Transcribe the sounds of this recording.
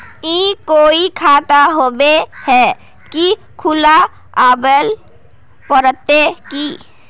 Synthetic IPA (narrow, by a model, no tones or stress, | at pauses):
ĩːkoːikʰaːt̪aɦoːbehɛ | ki | kʰʊla | aːbəl | pəɾət̪ːeki